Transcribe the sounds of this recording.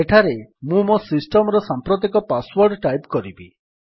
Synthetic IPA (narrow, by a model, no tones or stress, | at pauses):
eʈʰaɾemũmosisʈɔmɔɾɔsampɾɔt̪̬ekɔpaswɔɾɖʈajpkɔɾibi